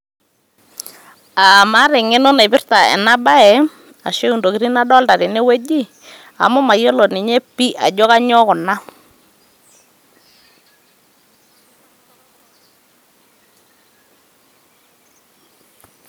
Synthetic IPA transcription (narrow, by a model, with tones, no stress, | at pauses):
a˨ma˦ɾɪ˨ŋɪ˦nɔ˦na˨jpɪ˦rta˨ɛ̰˨na˦ba˦ɛ˨ | a̰˨ʃe˦u˨ndo˨kɪ˦ɾi˦na˦dɔ˦lta˨ɾɪ˨ne˦we˦d͡ʒi˦ | a̰˨mʊ˦ma˨jɔ˦lɔ˨nɪ˨ɲe˦pi˦ʔa̰˨d͡ʒɔ˦ka˦ɲɔ˦kʊ˨na˦